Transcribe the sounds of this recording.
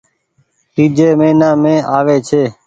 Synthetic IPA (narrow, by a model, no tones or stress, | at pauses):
ɾiːd͡ʒeːmeːnãːmẽːʔaːʋeːt͡ʃʰeː